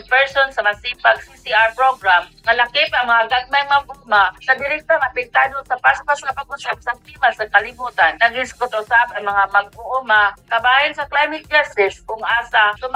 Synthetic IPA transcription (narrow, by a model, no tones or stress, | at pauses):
pɛɹsonsɐmasiːpaɡsisiaɹpɹoɡɾamŋalakɪpɐŋmɐŋaɡad̚majmaɡʊmanɐd̪ɪɾɪk̚t̪aŋapɪɡ̚t̪anosɐpaspaskɐpaɡ̚ʊsap̚sab̚t̪imasakalɪbuːt̪annaɡɪnskot̪oʔʊsapɐjmɐŋamɐɡ̚pʊʔumakɐbaːjɪnsɐklajmɪt̪̚d͡ʒast̪ɪsʊŋʔaːsasʊm